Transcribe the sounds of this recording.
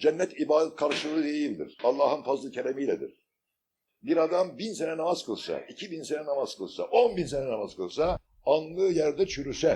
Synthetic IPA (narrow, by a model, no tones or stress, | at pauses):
d͡ʒɛnːɛt̪ʰibaːd̪t̪kʰaɾʃɯlˠɯɯd̪e̞jilʲd̪ḭɾ̥alˠːaːhɯnfazlˠɯcʰelʲemijlʲɛd̪ḭɾ̥ | biɾad̪ambinsenɛnamaz̥kɯlˠsa̰icʰibinsenɛnamaz̥kʰɯ̰lˠsa̰ʔonbinsenɛnamazkʰɯlˠsa | anlˠɯjæɾd̪ɛt͡ʃʰyɾysɛ